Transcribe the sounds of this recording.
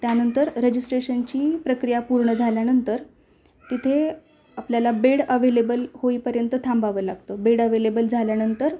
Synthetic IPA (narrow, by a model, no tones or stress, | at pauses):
t̪janənt̪əɾɾəd͡ʑisʈɾeɕənt͡ɕiːpɾəkɾijapuɾɳəd͡zʱaljanənt̪əɾ | t̪it̪ʰe | apljalabeɽəʋelebəlhoiːpəɾjənt̪ət̪ʰãmbaʋəːlaɡt̪əbeɽəʋelebəld͡zʱaljanənt̪əɾ